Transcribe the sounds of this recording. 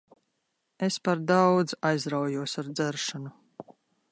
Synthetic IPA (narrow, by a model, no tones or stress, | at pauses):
espaɾd̪awd̪zajzɾawjuɔsaɾd̪zɛɾʃanu